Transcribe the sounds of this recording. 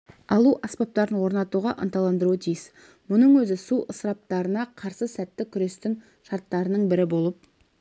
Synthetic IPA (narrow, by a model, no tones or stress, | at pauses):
ɑlˠuʔɑspɑp̚t̪ɑɾənwo̞ɾnɑt̪uʁɑʔənt̪ɑlˠɑnd̪əɾut̪ʰijɪs | mʊnəɴwɵzɪsuʔəsɾɑp̚t̪ɑɾənɑqʰɑɾsəsæt̪ːɪkʲʰʏɾe̞st̪ɪŋ | ʃɑɾt̪ːɑɾənəɴbɪɾɪbo̞lˠəp̚